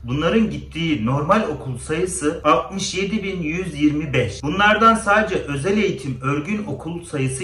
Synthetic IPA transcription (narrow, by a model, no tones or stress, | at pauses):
bunlˠaɾɯnɟit̪ʰːiːno̞ɾmalʲo̞kʰulˠsajɯsɯalˠt̪̚mɯʃje̞d̪ibinjyzjiɾmibɛʃbunlˠaɾd̪ansaːd̪e̞d͡ʒɛʔø̞zælʲe̞jit̪ʰimø̞ɾɟyno̞kʰulˠsajɯsɯ